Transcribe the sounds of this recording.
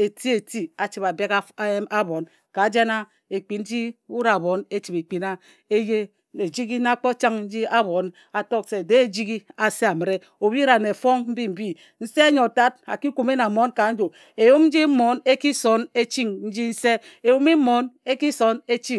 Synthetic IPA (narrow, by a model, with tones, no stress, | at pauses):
e˨ti˦e˨ti˦a˨t͡ʃi˨ba˨be˦ka˦a˦bo˨n | ka˨d͡ʒe˦na˦ | e˨k͡pi˨n̩˦d͡ʒi˦u˦ɾa˨a˨bo˨˦ne˦t͡ʃi˨pe˨k͡pi˨na˦ | e˦je˦ | e˨d͡ʒi˦ɡi˦na˦k͡po˦t͡ʃa˦ŋn̩˦d͡ʒi˦a˦bo˨˦n | a˨to˦k̚se˨de˦e˨d͡ʒi˦ɡi˦a˨se˦a˨mi˨ɾe˦ | o˨bi˦ɾa˨ne˨fo˦ŋm̩˦bi˦m̩˨bi˦ | n̩˦se˦a˦ɲo˨ta˦d̚a̰˨ki˦ku˨me˦na˨mo˦nka˨˦n̩˦d͡ʒo˨ | e˨jo˦kn̩˦d͡ʒi˦m̩˦mo˨˦ne˦ki˦so˦ne˦t͡ʃi˦ŋn̩˦d͡ʒi˦n̩˦se˦e˨wo˦mi˦mo˨˦ne˦ki˦so˨˦ne˦t͡ʃi˦